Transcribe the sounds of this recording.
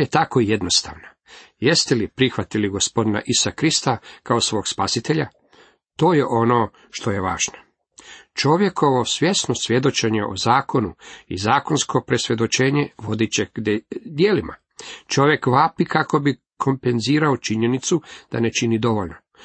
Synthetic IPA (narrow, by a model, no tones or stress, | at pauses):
et̪ako̞ije̞d̪no̞st̪a̰ːʋna | je̞st̪elipɾixʋat̪iliɡo̞spo̞d̪ina̰ʔisakɾist̪akaosʋo̞ːɡspasit̪e̞ʎa | t̪o̞ːje̞ʔo̞noː | ʃt̪o̞je̞ʋaːʒno | t͡ʃo̞ʋje̞kʰo̞ʋo̞sʋje̞snosʋʲje̞d̪o̞t͡ʃe̞ɲeʔo̰zaːko̞nuḭzaːko̞nskʰo̞pɾe̞sʋje̞d̪o̞t͡ʃe̞ːɲe̞ʋo̞d̪it͡ɕeɡd̪jeːlima | t͡ʃo̞ʋje̞kʋaːpikako̞bi | kʰo̞mpe̞nziːɾaot͡ʃiɲe̞nit̪sud̪̥anet͡ʃinid̪o̞ʋo̞ʎno